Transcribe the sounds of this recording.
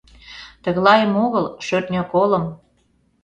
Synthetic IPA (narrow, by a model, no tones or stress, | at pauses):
t̪ə̆ɣlɑjəmoɣəlʃøt̪nʲøkoləm